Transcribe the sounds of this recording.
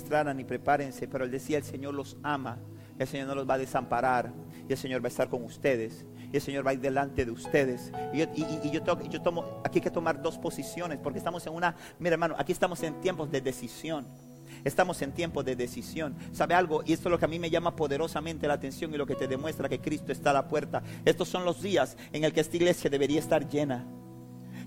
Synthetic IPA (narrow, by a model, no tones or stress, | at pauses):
st̪ɾananipɾe̞paɾense̞peɾoeld̪esiaelse̞ɲo̞ɾlo̞sama | elseɲo̞ɾno̞lo̞zbaðe̞sampaɾaɾ | ielse̞ɲo̞ɾβaest̪aɾko̞ŋust̪e̞ðe̞s | ielse̞ɲo̞ɾβaiɾðelant̪e̞ðeust̪e̞ðe̞sioiːʝot̪eʝo̞t̪omoakiajket̪o̞maɾd̪o̞spo̞sisjo̞ne̞spoɾkest̪amo̞se̞ŋũna | miɾaeɾmanoʔa̰kiest̪amo̞se̞nt̪je̞mpo̞zðe̞ðe̞sisjo̞n | est̪amo̞se̞nt̪je̞mpozðe̞ðesisjo̞nsaβe̞alɣo̞ʔie̞st̪ozlo̞keamime̞ʝamapo̞ðe̞ɾo̞sament̪e̞laːt̪e̞nsjo̞ŋilo̞ke̞t̪e̞ðemwe̞st̪ɾake̞kɾist̪oest̪aːlapwe̞ɾt̪ae̞st̪o̞sːo̞nlo̞zðias | e̞ŋe̞lkeest̪aiɣle̞sjaðe̞βe̞ɾiaest̪aɾʝe̞na